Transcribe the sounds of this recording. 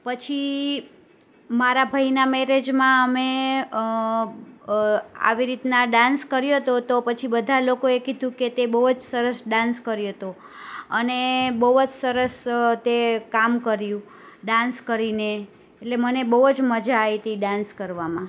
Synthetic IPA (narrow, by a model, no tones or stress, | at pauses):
pət͡ʃʰi | maɾabʱainamɛɾed͡ʒmãəme | a̰ʋiɾit̪naɖãnskəɾjot̪ot̪opət͡ʃʰibəd̪ʱalokoekid̪ʱũket̪ebəɦd͡ʒsəɾəsɖãnskəɾjot̪o | ənebəud͡ʒsəɾəst̪ekamkəɾjũ | ɖãnskəɾineː | ʈlemənebəɦud͡ʒməd͡ʒaːit̪iɖãnskəɾʋamã